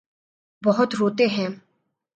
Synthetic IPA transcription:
bɔɦʊt̪ɾoːt̪eɦɛ̃ː

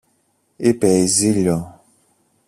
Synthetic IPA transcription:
epɛizilɔ

